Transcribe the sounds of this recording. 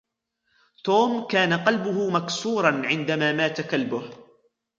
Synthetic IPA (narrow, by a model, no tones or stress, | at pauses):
t̪oːmkaːnaqɑlbʊɦʊmaksuːɾˤɑnʕɪnd̪amaːmaːt̪akalbʊh